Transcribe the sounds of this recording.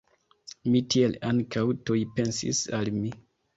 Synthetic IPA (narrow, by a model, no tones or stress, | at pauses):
mitielaŋkawtojpe̞nsḭsalmi